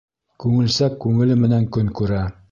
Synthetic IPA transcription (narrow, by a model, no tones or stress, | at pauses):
kʉŋɘ̆lsækːʉŋɘ̆lɘmɘ̆næŋkɵŋkʉɾæ